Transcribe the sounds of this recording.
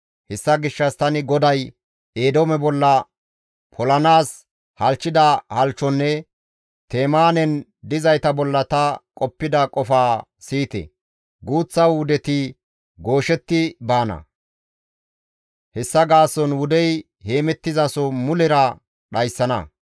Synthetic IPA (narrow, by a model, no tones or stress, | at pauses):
hɛsːɐɡɪʃːɐst̪ɐnɪɡɔd̪ɐj | eːd̪oɔmɛbɔlːɐ | pʰɔlɐnaːs | hɐlt͡ʃːɪd̪ɐhɐlt͡ʃːɔnːɛ | t̪eːmaːnɛn | d̪ɪzɐjt̪ɐbɔlːɐt̪ɐkʼɔpːɪd̪ɐkʼɔfaː | siːt̪ɛ̰ | ɡuːt͡sːɐwʊd̪ɛt̪ɪ | ɡo̞ːʃɛt̪ːɪbaːnɐ̰ | hɛsːɐɡaːsɔnwʊd̪ɛj | he̞ːmɛt̪ːɪzɐsɔmʊlɪɾɐ | ɗɐjsːɐnɐ̰